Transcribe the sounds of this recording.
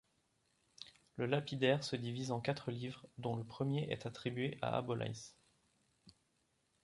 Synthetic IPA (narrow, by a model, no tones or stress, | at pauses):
ləlapid̪ɛʁsəd̪ivizɑ̃kat̪χəlivʁd̪ɔ̃ləpχəmjeʔɛ̰t̪at̪χibɥeʔa̰ʔa̰bɔlʔa̰js